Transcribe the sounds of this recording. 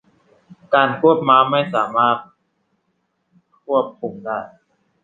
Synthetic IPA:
kaː˧nkʰu˥˩əp̚maː˦˥ma˥˩jsaː˩˦maː˥˩t̪̚ | kʰu˥˩əp̚kʰːu˧mdaː˥˩j

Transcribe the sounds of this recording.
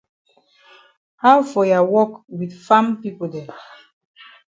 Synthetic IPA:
haʊfɔ˨ja˨wɔ˦kwidfã˦mpi˦podɛ˨

